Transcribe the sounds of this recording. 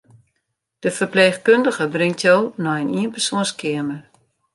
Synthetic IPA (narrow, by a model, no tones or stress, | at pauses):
d̥əfərpleːxkøndəɣəbrɪŋtʰjownɔjəniənpərsoə̃nskʰɪəmər